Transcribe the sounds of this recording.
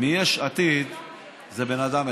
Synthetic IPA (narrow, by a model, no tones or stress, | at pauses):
mijeʃat̪id̪ | zebe̞nad̪ame